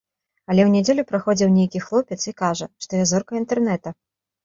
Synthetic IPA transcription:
ɐlʲɛwnʲɛd͡zʲelʲupɾaxɔd͡zʲiwnʲejkʲixlˠɔpʲɛt̪sikaʐɐʂt̪ɔjazɔrkɐint̪ɛrnɛt̪ɐ

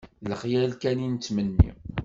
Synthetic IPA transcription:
ləχjælkænint͡sːmənːḭ

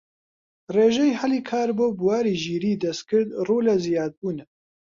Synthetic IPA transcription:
reːʒɛjhɛliːkʰaːɾboːbuwaːɾiːʒiːɾiːd̪ɐst̪̚kɨɾd̪roːlɛzijaːd̪̚buːnɛ

